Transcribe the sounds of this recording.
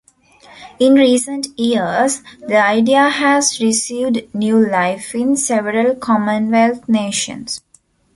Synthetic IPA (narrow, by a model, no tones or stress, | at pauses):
ĩnɾiːsə̃nʈiəsd̪iaɪɖiahæzɾisiːʋɖnjuːlaɪfɪ̃nseʋəɾəlkʰɔmə̃nʋelt̪ʰneːʃə̰̃ns